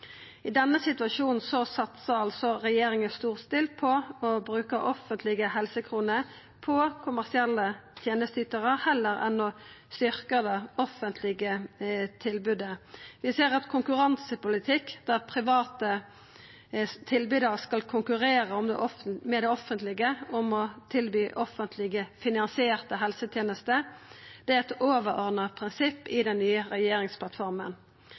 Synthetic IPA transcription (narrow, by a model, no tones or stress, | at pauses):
ɪd̪ɛnːəsɪt̪ʉɑʂuːnn̩sɔsɑt̪səʁɑlsɔʁɛjeːɾɪŋəst̪uːʁst̪ɪlpʰɔɔbʁʉːkəʔɔfənt̪lɪɡəhɛlsəkʰʁuːnə | pʰɔkʰʊmæʁsɪɛlːət̪ʰjeːnəst̪ʰyt̪əʁəhɛlːəɾɛ̰nɔ | st̪ʏʁkəd̪əɔfənt̪ʰlɪɡət̪ʰɪlbʉd̪əʋɪseːʁɑt̪kʰʊŋkʉʁɑnsəpʊlɪt̪ʰɪkːd̪̥æpʰʁɪʋɑːt̪ə | t̪ʰɪlbyːd̪əʁəskɑlkʰʊŋkʉʁeːʁəʊmd̪ɛ̰ʔɔfmɛd̪ɛɔfənt̪lɪɡəɔmɔt̪ʰɪlbyːʔɔfənt̪ʰlɪɡəfɪnɑnsɪeːʁt̪əɦɛlsət̪ʰjeːnəst̪əd̪̥ɛɛt̪oːʋəɾɔʁd̪əpʰʁɪnsɪpːɪd̪ɛnːyːəʁɛjeːɾɪŋspʰlɑt̪fɔʁmən